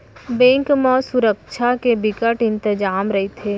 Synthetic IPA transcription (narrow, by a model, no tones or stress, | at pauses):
bẽːŋkmɔːsʊɾəkʃʰakebɪkəʈɪ̃nt̪ɪd͡ʒaːmɾɐɦet̪ʰeː